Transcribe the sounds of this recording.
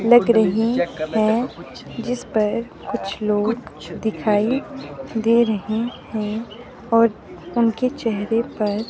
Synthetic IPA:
lɐɡɾɐɦihɛ̃d͡ʒɪspɐɾ | kʊt͡ʃʰloːɡd̪ɪkʰaːid̪eɾɐɦehɛ̃ | ɔːɾ | ʊnket͡ʃɛɦɾepɐɾ

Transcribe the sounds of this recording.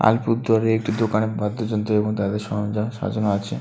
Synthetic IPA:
a̰lpuɾd̪aɾeek̚ʈid̪okanebʱad̪ʱːod͡ʑɔnt̪ɾoeboŋt̪ad̪eɾʃɔd͡ʑaʃa̰d͡ʑonoat͡ɕʰe

